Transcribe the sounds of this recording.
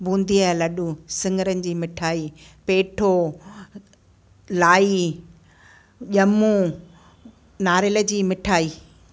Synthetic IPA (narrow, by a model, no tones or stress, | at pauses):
bʱũːnd̪ialɐɗusɪ̃ŋɡəɾənɪ̆d͡ʑiːmɪʈʰaːiːpeːʈʰo | laːi | ʄɐmũ | naːɾɪlə̆d͡ʑiːmɪʈʰaːiː